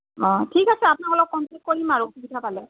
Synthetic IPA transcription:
ɔ̃tʰikasɛapʊnakɔlɔkːɔnpek̚t̚koɹimaɹuutʰubitʰapalɛ

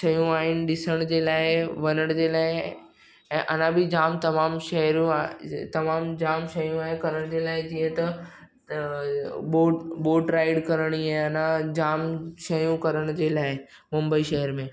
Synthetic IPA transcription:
ʃɐjũaːɦɪnɪ̆ɗɪsəɽ̃d͡ʑeːlaːɪʋɐnəɽ̃d͡ʑeːlaːɪ | ɛ̃ːʔɐnãbʱɪd͡ʑaːmt̪ɐmaːmʃɐɦɾũt̪ɐmaːmd͡ʑaːmʃɐjũaːɦɪkɐɾəɽ̃d͡ʑeːlaːɪd͡ʑĩːɦə̃t̪ɐ | boːboːʈɾaːɪɽkɐɾəɽ̃iaːɐnãd͡ʑaːmʃɐjũkɐɾəɽ̃d͡ʑeːlaːɪmʊmbəiʃɐɦəɾmẽː

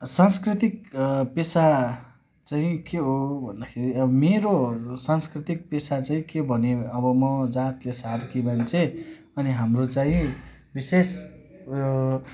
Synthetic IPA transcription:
sanskrit̪ikpesa | t͡saĩkeɦobʱʌnd̪akʰeɾiʌbʌmeɾosanskrit̪ik̚pesat͡saĩkebʱʌneʌbʌmʌd͡zat̪lesarkibant͡sʰe | ʌniɦamrot͡saĩ | bises

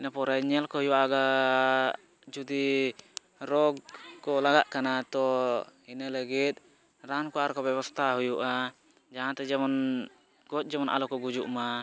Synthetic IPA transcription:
inapɔɾɛɲɛlkɔɦujuwaɡa | d͡ʒud̪i | ɾɔɡkɔlaɡaʔkanat̪ɔhinələɡit̪̚ | ɾankɔaɾkɔbɛβɔst̪ʰaɦujuʔa | d͡ʒaɦãt̪ɛd͡ʒɛmɔn | ɡ̥ɔc̪̚ˀd͡ʒɛmɔnʔa̰lɔkɔɡud͡ʒuʔma

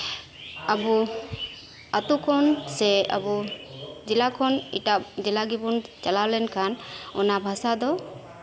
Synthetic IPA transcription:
abu | at̪ukʰɔnsɛa̰bu | d͡ʒilakʰɔnḭʈad͡ʒilaɡibunt͡ʃalalɛnkʰanɔnabʱasad̪ɔ

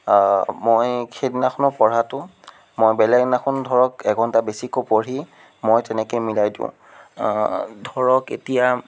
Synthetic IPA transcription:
mojkʰedinaxʰunɔpɔɹatʊ | mojbɛlɛɡnaxʰundʱɔɹɔkɛɡʱɔntabesikopoɹi | mojtɛnɛkojmilajdḭ̃ʊ̰̃ | dʱɔɹɔkḛtija

